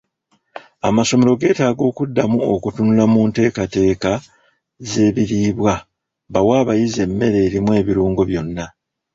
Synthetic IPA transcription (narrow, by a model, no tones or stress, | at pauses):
amaso̞me̞ɾo̞ɡe̞ːtaːɡo̞ːkudːamuokutunulamunte̞ːkate̞ːka | ze̞ːβiɾiːβwa | βawaːβajize̞mːe̞ɾe̞ːɾimwe̞ːβiɾuːŋɡo̞βjo̞nːa